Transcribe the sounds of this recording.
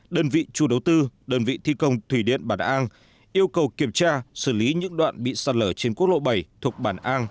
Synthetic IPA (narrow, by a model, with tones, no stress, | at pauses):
ɗəː˧nvḭ˧˨t͡ɕu˧˩ɗə˨˦wt̪ɨ˧ɗəː˧nvḭ˧˨t̪ʰi˧kə˧wŋ͡mt̪ʰwi˧˩ɗḭ˧˨ənɓaː˧˩nʔaː˧n | ʔi˧əwkə˨˩wki˧˩əmt͡ɕaː˧sɨ˧˩li˨˦ɲɨ̰˧˥ŋɗwa̰ː˧˨nɓḭ˧˨saː˧n̚ləː˧˩t͡ɕe˧nku˦˥k̚ɗo̰˧˨ɓə˨˩jt̪ʰu˨˩ək̚ɓaː˧˩nʔaː˧n